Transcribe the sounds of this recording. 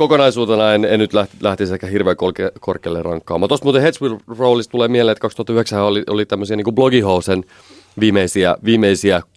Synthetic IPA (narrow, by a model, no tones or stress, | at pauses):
kokonɑisuːt̪enɑenennyt̪læt̪læht̪isehkːæhirʋeːkolkkorkːˑḛːlːerɑŋkːɑ̰ːmːɑːt̪ost̪muːt̪ehet̪sʋilroulist̪t̪uleːmielenet̪kɑkst̪uhɑt̪ːɑyheksæhæoliʔolit̪æmːøsiɑniːŋkubloɡihousen | ʋiːmeisiæʋiːmːeisiæ